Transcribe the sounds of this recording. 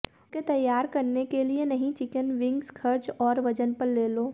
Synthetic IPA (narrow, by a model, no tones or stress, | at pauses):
ket̪ɐjːaːɾkɐɾnekelienɐɦĩt͡ʃɪkənʋɪ̃ŋɡskʰɐɾd͡ʒɔːɾʋɐd͡ʒənpɐɾleːloː